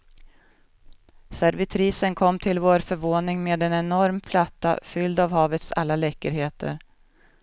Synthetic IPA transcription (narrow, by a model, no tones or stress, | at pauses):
sæɾvɪt̪ʰɾiːsənkʰɔmːt̪ʰɪlvoːɾfœɾvoːnɪŋmeːd̪ɛnɛnɔɾmpʰlat̪ːa̰fʏld̪avhɑːvət̪sa̰lːalɛːkəɾheːt̪ʰə̰ɾ